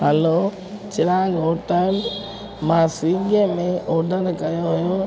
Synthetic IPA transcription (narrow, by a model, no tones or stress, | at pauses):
ɦəlo | t͡ʃɪɾaɡɦoːʈəl | mãsiɡəmẽʔɔːɖəɾkɐjoɦʊjo